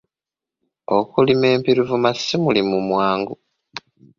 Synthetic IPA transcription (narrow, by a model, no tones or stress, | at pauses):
okulime̞ːmpiɾivumasimulimumwaːŋɡu